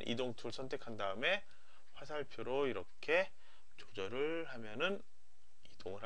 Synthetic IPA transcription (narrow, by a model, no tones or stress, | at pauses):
nʔḭdoŋtʰuɭsʰʌntʰe̞kʰandaɯme̞ | ɸwasʰaɭpʰjoɾoiɾʌkʰe̞ | t͡ɕod͡ʑʌɾɯɭ | hamjʌnɯn | id̥oŋɯɭɦa